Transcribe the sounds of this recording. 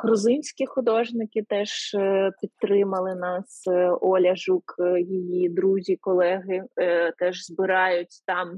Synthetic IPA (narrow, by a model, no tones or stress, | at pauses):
ɣɾʊzɪnʲsʲkʲixʊd̪ɔʒnɪkɪt̪ɛʒpʲit̪ːɾɪmɐlˠɪnɑsɔlʲɐʒukjijid̪ɾuzʲikɔlˠɛɦɪt̪ɛʒzbɪɾɑjʊtʲt̪ɑm